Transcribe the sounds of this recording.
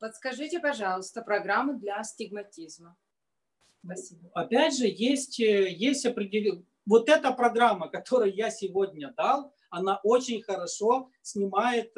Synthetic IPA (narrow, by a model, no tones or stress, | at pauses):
pət̪skɐʐɨtʲɪpɐʐɑlˠəst̪əpɾɐɡɾamːɨd̪lʲɐsʲtʲɪɡmɐtʲizmə | pɐsʲibɐpʲædʲʐɨjesʲtʲjesʲtʲɐpɾʲɪdʲɪlʲ | vo̞t̪ɛt̪əpɾɐɡɾamːəkɐt̪o̞ɾɨjʊjasʲɪvodʲnʲəd̪alˠ | ɐnaʔo̞t͡ɕɪnʲxəɾɐʂo̞ | sʲnʲɪmajɪt̪